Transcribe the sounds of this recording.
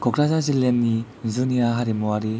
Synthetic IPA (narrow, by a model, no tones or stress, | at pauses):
kokɾazazilːenːi | zuniaɦaɾimuaɾi